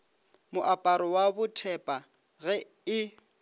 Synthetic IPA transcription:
mʊʔapʼaɾɔwabʊtʰɛpʼa | ɣɛ | ɪ

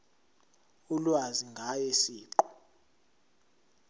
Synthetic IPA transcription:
ulwaziŋɡʱajesiːǃɔ̥

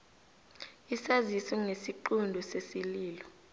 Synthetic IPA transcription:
isazisɛŋesiǃundʱɔsesiliːlɔ

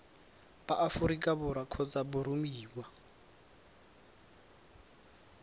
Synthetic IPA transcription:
baʔafuɾikʼabʊɾakʰɔt͡sʼabʊɾumiːwa

